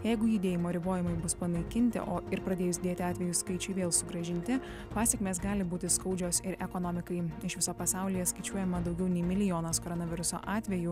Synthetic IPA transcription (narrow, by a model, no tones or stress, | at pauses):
jɛɪɡʊjʊd̪ʲeːjɪmoːɾʲɪboːjɪmɐɪbʊspɐnɐɪkʲɪnʲt̪ʲɪ̰ʔoːɪɾpɾɐd̪ʲeːjʊsd̪ʲeːt̪ʲɪɑːt̪ʲʋʲɛjuːskɐɪt͡ʃʲɛɪʋʲeːlˠsʊɡɾɐʒʲɪnʲt̪ʲɪ | pɑːsʲɛkʲmʲeːsɡɑːlʲɪbuːt̪ʲɪskɐʊd͡ʒʲoːsɪɾʔɛkɔnɔːmʲɪkɐɪɪʃʋʲɪsoːpɐsɑˑʊlʲiːjɛskɐɪt͡ʃʲuɔjɛmɐd̪ɒʊɡʲɛʊnʲɛɪmʲɪlʲɪjoːnɐskoɾɔnɐʋʲɪɾʊso̰ːʔɑːt̪ʲʋʲɛju